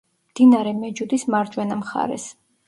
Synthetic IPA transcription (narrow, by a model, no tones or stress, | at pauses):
md̪̥inaɾɛmɛd͡ʒud̪ismaɾd͡ʒwɛnamχa̰ɾɛ̰s